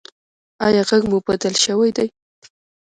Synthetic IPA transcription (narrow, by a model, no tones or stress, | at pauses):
ɑjɑɣaɡmubad̪əlʃəwajd̪aj